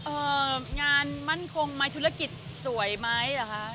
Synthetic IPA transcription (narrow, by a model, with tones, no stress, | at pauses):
ʔɤː˨˩˧ŋaː˧nma˥˩nkʰo˧ŋma˦˥jt̪ʰu˦˥ɾa˧˥˩ki˨˩t̪̚su˨˩˦jma˦˥jla˨˩kʰa˦˥